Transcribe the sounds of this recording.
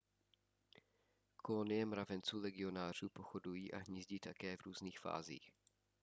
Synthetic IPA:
kʰolonɪjɛmɾavɛnt͡suːlɛɡɪo̞naːr̝uːpoxodujiːʔaɦɲizɟiːt̪akɛːvɾuːzniːxfa̰ːzḭːx

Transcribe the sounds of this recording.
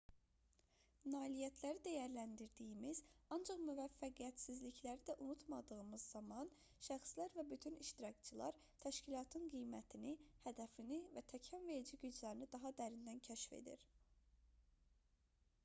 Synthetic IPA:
nɑːlijæt̪ʰlæɾid̪æjæɾlænd̪iɾd̪ijimiz̥ɑnd͡ʒɑχmyvæfːæɡijæt̪sizliclæɾid̪æʔunut̪mɑd̪ɯɣɯmɯzːɑmɑn | ʃæxslæɾvæbyt̪ʰyniʃt̪iɾɑkt͡ʃʰɯlˠɑ̰ɾ | t̪ʰæʃcilˠɑːt̪ʰɯnɡijmæt̪ʰinihæd̪æfinivæt̪ʰæcʰænve̞ɾid͡ʒiɟyd͡ʒlæɾinid̪ɑɦɑd̪æɾind̪æncʰæʃfḛd̪ḭɾ

